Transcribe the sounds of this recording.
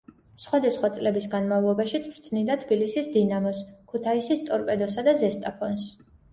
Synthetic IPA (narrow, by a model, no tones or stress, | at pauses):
sχwad̪asχwat̪sʼlɛbisɡanmavlˠɔbaʃit̪sʰʼɾt̪ʰnid̪at̪ʰbilisisd̪inamɔskʰut̪ʰaisist̪ʼɔɾpʼɛd̪ɔsad̪azɛst̪ʼapʰɔns